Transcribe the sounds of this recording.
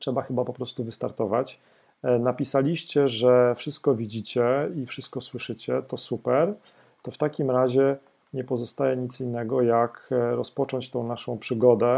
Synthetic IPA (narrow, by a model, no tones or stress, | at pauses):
tʂɛbaxɘbapɔpɾɔst̪uvɘst̪aɾt̪ɔvat͡ɕ | napʲisalʲiɕt͡ɕɛʐɛfʂɘst̪̚kɔvʲid͡ʑit͡ɕɛifʂɘst̪̚kɔswɘʂɘt͡ɕɛt̪ɔsupɛɾ | t̪ɔft̪akʲimɾaʑɛ | ɲɛpɔzɔst̪ajɛɲit̪sinːɛɡɔjakɾɔspɔt͡ʂɔɲt͡ɕt̪ɔ̃w̃naʂɔ̃w̃pʂɘɡɔd̪ɛ